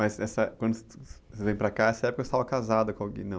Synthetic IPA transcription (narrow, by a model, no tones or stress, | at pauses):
mɐzɛsɐkwɐ̃nd̪ʊsevẽj̃pɾɐkaɛsɐɛpʊkɐest̪avɐkazad̪ɐkõawɡḭnɐ̃w̃